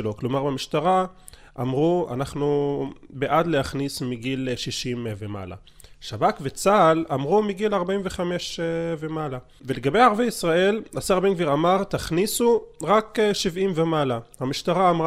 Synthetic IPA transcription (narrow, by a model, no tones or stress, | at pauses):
lo̞klo̞maʁbemiʃt̪aʁa | ʔamʁua̰naχnubeʔadleaχnismiɡilʃiʃimvema̰la̰ | ʃabakvet͡salamʁumiɡilaʁbaimve̞χame̞ʃvemala | ve̞le̞ɡabe̞jaʁvejisʁae̞lasaʁbeŋɡviʁamaʁt̪aχnisuʁakʃivimvemalahamiʃt̪aʁaːmʁ